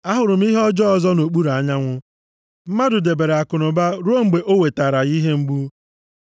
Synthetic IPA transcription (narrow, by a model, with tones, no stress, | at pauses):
a˦ɦʊ˨ɾʊ˨m̩˦i˦ɦɔ˦d͡ʒɔ˦ɔ˨zɔ˦no˨k͡pu˦ɾa˨˦ɲa˦ŋʷʊ˦ | m̩˦ma˦dʊ˨de˨be˨ɾe˨a˨kʊ˨nʊ˨ba˦ɾo˦ŋ͡m̩˨ɡ͡be˨ʔo˦we˨ta˨ɾa˨ɣi˦ɦe˦ŋ͡m̩˦ɡ͡bu˦